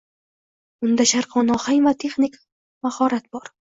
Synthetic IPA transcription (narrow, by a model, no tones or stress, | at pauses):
ʊnd̪aʃaɾqʰɒnɒhajmat̪ʰe̞χnɪk | mahɒɾat̪̚bɒɾ